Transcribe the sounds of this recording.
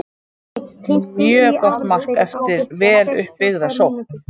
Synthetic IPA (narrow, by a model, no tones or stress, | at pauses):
mjœːkɔht̪mar̥kɛft̪ɪɾvɛːlʏ̰hpːɪɣðasowht̪